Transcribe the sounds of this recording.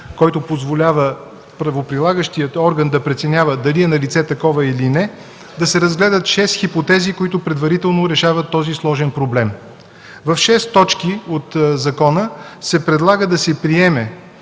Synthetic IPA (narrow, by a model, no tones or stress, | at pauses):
kɔjt̪ʊpozvolʲavə | pɾɐvopɾilˠaɡəʃt̪ijət̪ɔɾɡənd̪ɐpɾɛt̪sɛnʲavəd̪ɐliɛnɐlit̪sɛt̪ɐkɔvəilinɛ | d̪ɐsɛɾəzɡlɛd̪ət̪ʃɛst̪xipot̪ɛzikoit̪ʊpɾɛd̪vɐɾit̪ɛlˠnoɾɛʃavət̪ːɔzislˠɔʒɛnpɾoblɛm | vɐfʃɛst̪ɔt͡ʃkiot̪zɐkɔnəsɛpɾɛd̪lˠaɡəd̪ɐsɛpɾiɛmɛ